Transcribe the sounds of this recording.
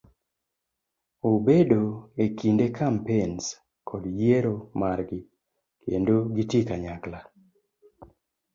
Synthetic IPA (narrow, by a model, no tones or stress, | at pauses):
obedoekindekʰampens | kʰɔdjeɾomaɾɡɪ | kḛndoɡitikaɲakla